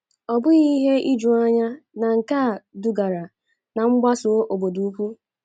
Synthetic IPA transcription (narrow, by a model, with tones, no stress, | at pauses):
ɔ˨bʊ˦ɣi˦ɦe˦i˦d͡ʒu˨a˦ɲa˦na˨ŋ̩˨ka˦˨dʊ˨ɡa˨ɾa˨ | na˨ŋ͡m̩˦ɡ͡ba˦sʊ˨˦ʔo˨bo˨du˨˦u˦kʷu˦